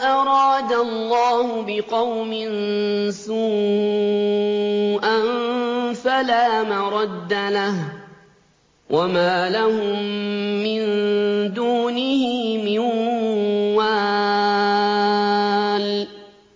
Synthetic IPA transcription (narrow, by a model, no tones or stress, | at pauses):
ʔaɾˤɑːd̪alːɑːhʊbɪqɑwmɪnsʊ | ʔannfalaːmaɾˤɑd̪ːalah | wʔamaːlahʊmːɪnd̪uːnɪhɪmɪnː | aː | l